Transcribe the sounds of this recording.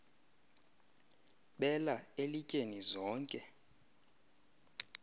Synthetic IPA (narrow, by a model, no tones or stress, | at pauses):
ɓɛlaelicʼenizɔːŋkʼɛ